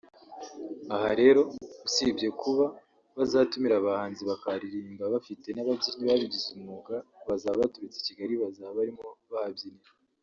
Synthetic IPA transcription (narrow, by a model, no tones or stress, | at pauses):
ahaɾe̞ɾo̞usibɟje̞kuβa | βazatumiɾaβahaːnziβakaɾiɾiːmɡaβafite̞naβabɟiniβaβiɟizumuɡaβazaββatuɾit͡se̥ciɡaɾiβazaβaɾimoβahabjini